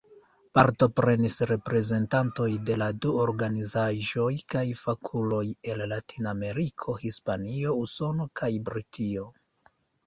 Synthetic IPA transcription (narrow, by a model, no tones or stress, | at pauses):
paɾto̞pɾe̞nisɾe̞pɾe̞ze̞ntanto̞jde̞laduoɾɡanizaʒo̞jkajfakʰulo̞je̞llatʰinaame̞ɾikʰo̞hispanio̞uso̞no̞kʰajbɾitʰio̞